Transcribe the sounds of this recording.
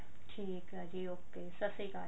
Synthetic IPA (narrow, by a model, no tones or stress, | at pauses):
ʈʰiːkɐd͡ʒioːkːeːsɐsikaː